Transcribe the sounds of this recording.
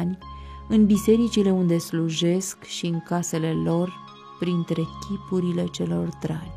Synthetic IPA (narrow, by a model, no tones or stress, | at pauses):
nʲɨnbise̞ɾit͡ʃile̞und̪e̞sluʒe̞skʃiɨŋkase̞le̞lo̞r | pɾint̪ɾe̞kʲʰipuɾile̞t͡ʃe̞lo̞rd̪ɾanʲ